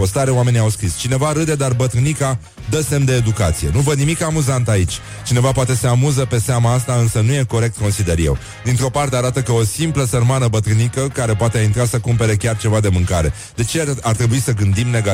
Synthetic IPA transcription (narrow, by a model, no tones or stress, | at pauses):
po̞st̪aɾeoame̞nʲiawskɾist͡ʃine̞vaɾɨd̪e̞d̪arbət̪ɾɨnika | d̪əse̞md̪e̞ːd̪ukat̪sije̞̰nuvənimikamuzant̪ait͡ʃʲ | t͡ʃine̞vapat̪e̞se̞amuzəpe̞seamaast̪aɨnsənuje̞ko̞ɾe̞k̚t̪̚konsid̪e̞ɾjew | d̪int̪ɾo̞part̪eaɾat̪əkəo̞simpləsərmanəbət̪ɾɨnikəkaɾe̞poat̪e̞aint̪ɾasəkumpe̞ɾe̞kʲart͡ʃe̞vad̪e̞mɨŋkaɾe̞̰ | d̪e̞t͡ʃe̞art̪ɾebuisəɡɨnd̪imne̞ɡa